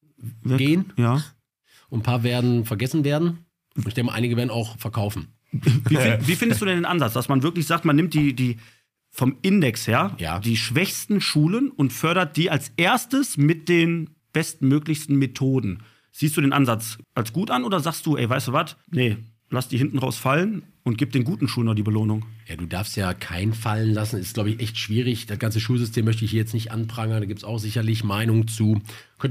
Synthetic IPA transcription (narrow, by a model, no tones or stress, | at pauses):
vɡeːənjaː | ʔʊnpʰaːɐveːɐdn̩fɛɐɡɛsn̩veːɐdn̩ | nɪçd̥ɛŋkəʔaɪnɪɡəveːɐdn̩aʊxfɛɐkʰaʊfn̩ | viːfviːfɪndəstd̥uːdɛndeːnʔanzat͡sd̥asmanvɪɐklɪçz̥aːktmanːɪmt̚d̥iːdiː | fɔmɪndɛksheːɐja̰ːd̥iːʃv̥ɛçstn̩ʃuːlənʊntfœɐɾɐt̚d̥iːʔalsʔeːɐstəsmɪt̚d̥eːn | b̥ɛstmøːklɪçstn̩metʰoːdn̩ | z̥iːstd̥uːdeːnʔanzat͡sʔalsɡ̥uːtanʔoːdɐzaːkstd̥uːʔɛ̰ɪvaɪstuːvatnə | lastd̥iːɦɪntn̩ʁaʊsfalən | ʊnt̚ɡ̥iːp̚d̥eːnɡuːtn̩ʃuːlənɔd̥iːbəloːnʊŋja̰ːduːdaɐfstjaːkʰaɪnfalənlasn̩ɛɪst̚laʊbəɪçʔɛçtʃv̥iːʁɪçd̥asɡ̥ant͡səʃuːlzʏstʰeːmːœçtəɪçhiːjɛt͡stnɪçtʔa̰npʁ̥aŋəndaːɡiːp̚tsaʊxz̥ɪçɐlɪçmaɪnʊŋt͡suː | kʰœnt